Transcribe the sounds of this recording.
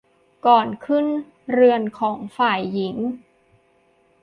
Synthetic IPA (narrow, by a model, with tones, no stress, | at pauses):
kɔː˨˩nkʰɯ˥˩n | ɾɯ˧ənkʰɔː˩˦ŋfaː˨˩jːi˩˦ŋ